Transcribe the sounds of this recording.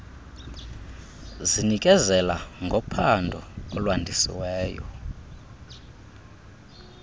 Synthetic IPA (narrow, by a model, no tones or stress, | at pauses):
zinikʼɛzɛlaŋɡʱɔpʰandʱɔɔlwandʱisḭwɛːjɔ̰